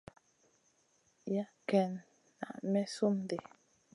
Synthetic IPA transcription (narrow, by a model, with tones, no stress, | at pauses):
ja˦kɛ˨nː | a̰˨ʔmɛ˦su˦mde˨